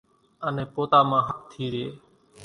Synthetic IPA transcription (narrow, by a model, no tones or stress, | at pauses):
ənẽːpoːt̪aːmãːɦək̚t̪ʰiːɾɪeː